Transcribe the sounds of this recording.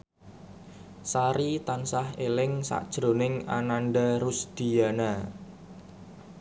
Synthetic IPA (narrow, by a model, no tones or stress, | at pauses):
saɾit̪ansahelɪŋsa̰ʔd̥ʒ̥ɾo̤nɪŋa̰nanɖaɾusd̪̥i̤jana